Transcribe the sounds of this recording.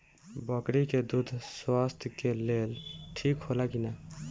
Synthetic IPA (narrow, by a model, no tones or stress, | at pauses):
bəkɾiked̪ud̪ʱswast̪ʰjkelelʈʰikɦolakina